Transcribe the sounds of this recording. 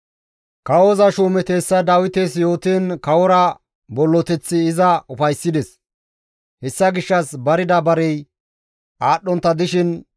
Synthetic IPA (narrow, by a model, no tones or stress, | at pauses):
kɐwozɐʃuːmɛt̪eːsːɐd̪aːwɪt̪esjo̞ːt̪enkɐwɔɾɐ | bɔlːɔt̪ɛt͡sːɪːzɐʊfɐjsːɪd̪ɛs | hɛsːɐɡɪʃːɐsbɐɾɪd̪ɐbɐɾɛj | ʔaːɗːɔnt̪ːɐd̪ɪʃɪn